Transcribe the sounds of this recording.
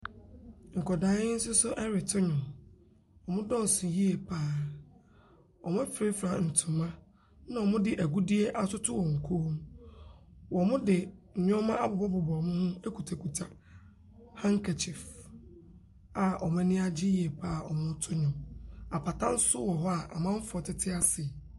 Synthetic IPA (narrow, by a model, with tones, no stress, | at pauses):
ŋ̩˨kɔ˨daː˨˦ɪ˦n̩˦sʊ˦sʊ˦ʔɛ˦ɾɪ˨tʰʊ˦ɲʊ̃˨m | wɔ˨mʊ̃˦dɔ̃˦˨sʊ̃˨ji˦e˨pʰaː˦˨ | ɔ˨mʊ̃˦fɾe˦fɾa˨n̩˨tʰʊ̃˨mã˦ | nã˨ɔ˨mʊ̃˦dɪ˨ʔæ˨ɡu˦di˦e˦ʔa˦sʊ˦tʰʊ˦wɔ̃˨ŋ̩˨kʰoː˦m | wɔ˨mʊ̃˦dɪ˨ɲ̩˨ɲᶣɔ̃˦mã˦ʔa˦bʊ˨bɔ˦bʊ˨bɔ˨mʊ̃˦hʊ̃˦e˦ku˨tʰa˨ku˨tʰa˨ | hã˦ŋ˦kʰa˨t͡ɕʰɪ˨f | a˨ʔɔ˨m˦ɛ̃˦nɪ̃˦a˦d͡ʑɪ˦ji˦e˨pʰaː˦˨ɔ̰˨mʊ̃˦nʊ̃˦tʰʊ˦ɲʊ̃˨ma˨pʰa˨tʰã˦n̩˦sʊ˦wɔ˨ɦɔ˦a˨ʔa̰˨mã˦ɱ̩˦fʊ˨ɔ˨tʰɪ˦tʰɪ˦a˦sɪ˨